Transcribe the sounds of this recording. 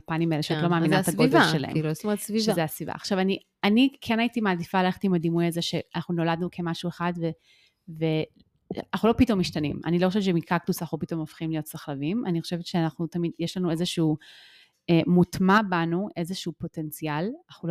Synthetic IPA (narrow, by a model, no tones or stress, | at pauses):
panimeleʃeotlo̞maːminaaɡovaʃela̰ḛmsmsviʃzeasviva̰ːχʃavani | anikʰenaitimaːdifaleχe̥timadimujazeʃeanaχnuno̞ladnukʰe̞maʃueχadve | ve | anaχulopito̞mːiʃtanḭma̰niloxoʃett͡ʃʃemikʰaktusaχupito̞mofχimlijo̞tsaχlavimaniχoʃe̞vetʃeanaχnutamidjeʃlanuezeʃuu | emutmabanuʔe̞zeʃuːpo̞te̞nt͡sialχul